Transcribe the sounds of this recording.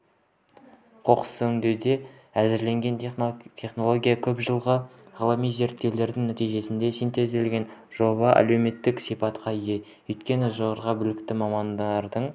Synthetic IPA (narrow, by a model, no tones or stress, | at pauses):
qʰo̞qə̥sɵʏŋd̪ed̪e̞ | æzɪɾle̞ŋɡʲe̞nt̪ʰe̞χno̞lˠo̞ɡʲijakʲʰɵpʒəlˠʁəʁɑlˠɑmijze̞ɾt̪ːewle̞ɾd̪ɪŋnæt̪ijʒe̞sɪnd̪e̞sijnt̪e̞zelɡʲe̞nʒo̞βɑʔɑ̰lewme̞t̪ːɪksijpɑt̪qʰɑje | ɵjt̪kʲe̞nɪʒoʁɑɾʁɑbʏlɪkt̪ɪmɑmɑnd̪ɑɾd̪əɴ